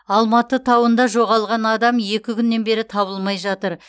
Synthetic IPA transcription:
ɑlˠmɑt̪ət̪ʰɑwənd̪ɑʒo̞ʁɑlˠʁɑnɑd̪ɑmje̞kʲɪkʲʰʏnːe̞nbe̞ɾɪt̪ʰɑβəlˠmɑjʒɑt̪əɾ

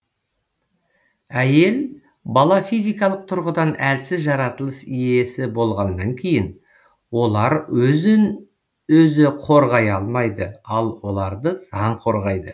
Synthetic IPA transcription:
æje̞l | bɑlˠɑfijzijkɑlˠəq̚t̪ʰʊɾʁəd̪ɑnælsɪzʒɑɾɑt̪əlˠəsije̞sɪbo̞lˠʁɑnd̪ɑŋkʲʰe̞jɪn | wo̞lˠɑɾɵn | ɵzɪqʰo̞ɾʁɑjɑlˠmɑjd̪əɑlˠwo̞lˠɑɾd̪əz̥ɑɴqʰo̞ɾʁɑjd̪ə

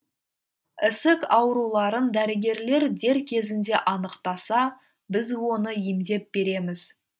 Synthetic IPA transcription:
ɪsɪkɑwɾulˠɑɾənd̪æɾɪɡʲe̞ɾle̞ɾd̪e̞ɾkʲʰe̞zɪnd̪e̞ʔɑnəqt̪ɑsɑ | bɪzwo̞nəimd̪e̞p̚be̞ɾe̞mɪz̥

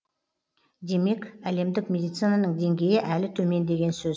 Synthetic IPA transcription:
d̪e̞me̞kʲæle̞md̪ɪkmʲe̞d̪ijt̪sɨnanəɴd̪e̞ŋɡʲe̞jɪʔælɪt̪ʰɵme̞nd̪e̞ɡʲe̞nsɵz

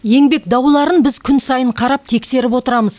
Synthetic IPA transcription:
je̞ŋbe̞kd̪ɑwlˠɑɾənbɪzkʲʰʏnsɑjəɴqʰɑɾɑp̚t̪ʰe̞kse̞ɾɪpwo̞t̪əɾɑməz

